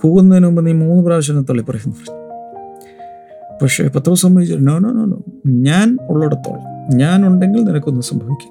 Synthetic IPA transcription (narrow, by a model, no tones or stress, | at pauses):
kuːɣunːɐðinumbɐnːimuːnːɨpraːɕ̬ɐnt̪ːɐɭːipːurɐkʲːunːupɐrɐu̥ | pɐkʂḛpɐt̪ːrɐmsɐmbʱɐʋit͡ɕːɐɾunoːɳoːnoːɳo̰ːɲaːnuɭːuɽɐt̪ːo̰ːɭɲaːnuɳɖe̞ŋɡilninɐkʲːonːɨsɐmbʱɐʋikʲːu̥